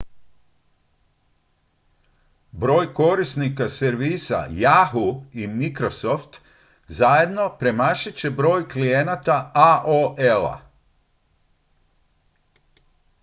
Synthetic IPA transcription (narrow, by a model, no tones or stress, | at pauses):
bɾo̞ːjko̞ɾisnikaseɾʋiːsa̰jaɦuimikɾo̞soft̪ | zajed̪no̞pɾe̞maʃit͡ɕe̞bɾo̞ːjklijenat̪aaʔoʔela̰